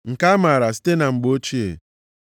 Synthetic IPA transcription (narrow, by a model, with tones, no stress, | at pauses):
ŋ̩˨ka˦ma˨ɾa˨si̥˦te˦na˨ŋ͡m̩˨ɡ͡bo˦t͡ʃi˦ḛ˨